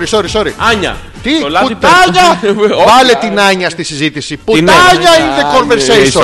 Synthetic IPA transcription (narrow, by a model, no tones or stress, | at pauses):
ɾisoɾisoɾiɐɲɐ̰ | t̪iut̪ɐɲɐvɐlet̪inɐɲɐst̪isizit̪isiput̪ɐɲɐinekonveɾssejso